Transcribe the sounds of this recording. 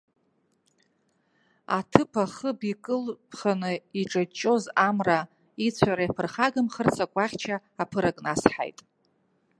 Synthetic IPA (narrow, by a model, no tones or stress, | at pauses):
a̰tʰɨpʰaχəbikʼɨlpʰχanɨiʈ͡ʂʼat͡ʃʼo̞zamra | it͡sʷʰaɾajapʰɨrχaɡɨmχərt͡sʰakʷʼaχʲt͡ʃʰaːpʰɨɾakʼnasħa̰jtʼ